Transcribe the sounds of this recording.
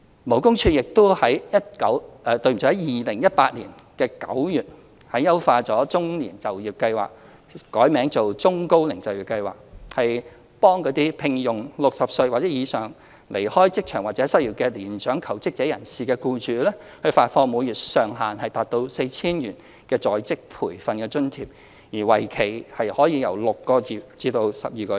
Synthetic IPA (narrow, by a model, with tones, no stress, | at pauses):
mo˨˩wkʊ˥ŋt͡ʃʰyː˧jɪ˨k̚t̪o˥whɐ˨˥jjɐ˥t̚kɐ˨˥wɛː˧t̪ɵ˧ɥm̩ʰ˨˩ɔ˨˥jɐ˥jiː˨lɪ˨˩ŋjɐ˥t̚paː˧t̚lḭː˨˩n | kɛː˧kɐ̰˨˥wjyː˨t̚ | hɐ˨˥jɐ˥wfaː˧t͡sɔː˨˥t͡sʊ˥ŋliː˨˩nt͡sɐ˨˩wjiː˨˩w̚kɐ˧jwa̰ː˨k̚ | kɔː˨˥jmɛː˨˥ŋt͡so˨wt͡sʊ˥ŋko˥wlɪ˨˩ŋt͡sɐ˨wjiː˨˩kɐ˧jwa̰ː˨k̚hɐ˨j | pɔː˥ŋkɔː˨˧˥t̪iː˥pʰɪ˧ŋjʊ˨˩ŋlʊ˨k̚sɐ˨p̚sɵ˧ɥwaː˨t̚t͡sɛː˨˥jiː˨˧sœː˨˩ŋ | le˨˩jhɔː˥jt͡sɪ˥k̚t͡ʃʰœː˨˩ŋwaː˨t̚t͡sɛ˨˧˥sɐ˥t̚jiː˨˩kɛː˧liː˨˩nt͡ʃœː˨˥ŋkʰɐ˨˩wt͡sɪ˥k̚t͡sɛː˨˥jɐ̰˨˩nsiː˨kɛː˧kuː˧t͡ʃyː˨lɛː˥hɵ˧ɥfaː˧t̚fɔː˧muː˨˧jyː˨t̚sœː˨˩ŋɦaː˨nhɐ˨jt̪aː˨t̚t̪o˧wse˧jt͡sʰiː˥njyː˨˩n | kɛː˧t͡sɔː˨˥jt͡sɪ˥k̚pʰuː˨˩jfɐ˨nkɛː˧t͡ʃɵ˥nt̪ʰiː˨˩p̚ | jiː˨˩wɐ˨˩jkʰe˨˩jhɐ˨jhɔː˨˥jiː˨˧jɐ˨˩wlʊ˨kkːɔː˧jyː˨˩t͡siː˧t̪o˧wsɐ˨p̚jiː˨kɔː˧